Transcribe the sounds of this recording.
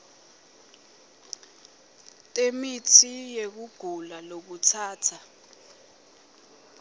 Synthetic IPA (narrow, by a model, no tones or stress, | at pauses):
tʼemitʰijek̬uɡ̥ʱulalok̬utʰaːtʰa